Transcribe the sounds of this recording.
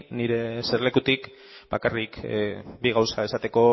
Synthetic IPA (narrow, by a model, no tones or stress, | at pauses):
niɾe̞seɾle̞kut̪ik | bakarikbiɣ̞awsae̞sat̪e̞ko̞